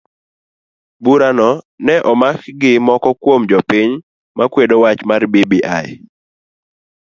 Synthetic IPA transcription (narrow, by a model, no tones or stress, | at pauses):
buɾanɔ | nɛʔɔmakɡɪmɔkɔkwomd͡ʒɔpiɲ | makwedowat͡ʃmarbibiʔaj